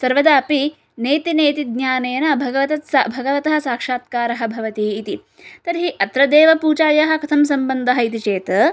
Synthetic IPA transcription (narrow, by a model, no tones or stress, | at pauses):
sɐɾʋɐd̪aːpi | neːt̪ineːt̪id̪ɲjaːneːnɐbʱɐɡɐʋɐt̪ɐt̪sɐbʱɐɡɐʋɐt̪ɐɦɐ̆saːkʂaːt̪̚kaːɾɐɦɐ̆bʱɐʋɐt̪iːt̪i | t̪ɐɾɦiʔɐt̪ɾɐd̪eːʋɐpuːt͡ʃaːjɐɦɐ̆kʰɐt̪ʰɐms̬ɐmbɐnd̪ɐɦɐit̪it͡ʃeːt̪ɐ